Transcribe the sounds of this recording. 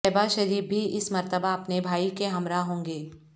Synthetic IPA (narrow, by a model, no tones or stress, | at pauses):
ɛbaʃɐɾiːf̚bʱiʔɪsmɐɾt̪əbaɐpnebʱaːikeɦɐmɾaɦõːŋɡeː